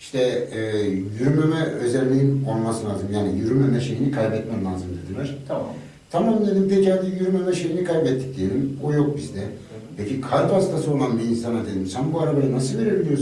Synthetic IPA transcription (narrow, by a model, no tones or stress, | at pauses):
iʃt̪ʰɛː | jyɾymemɛø̞zælʲlʲːiinonmasɯlˠaːzɯmjaːnijyɾymemɛʃe̞jinikʰajbɛt̪mɛmlˠaːzɯmd̪e̞d̪ilʲæɾ̥ʰ | t̪ʰamamnd̪e̞d̪impeciad̪ijyɾymemɛʃe̞jinikʰajbɛt̪ʰːi̥c̚d̪iejelʲimojo̞k̚bizd̪ɛ | pʰecʰikʰaɾpast̪ʰasɯo̞lˠanbiːnsanad̪e̞d̪imsænbuaɾabajanasɯlˠve̞ɾebilʲijo̞ɾz